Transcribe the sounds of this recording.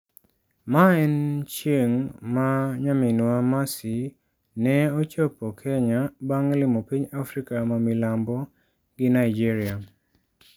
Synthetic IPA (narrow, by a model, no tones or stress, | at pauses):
maɛnt͡ʃjeŋmaɲamɪnwamasi | nɛot͡ʃopokʰɛɲabaŋlɪmopiɲafɾikamamilambɔ | ɡɪnaid͡ʒiɾia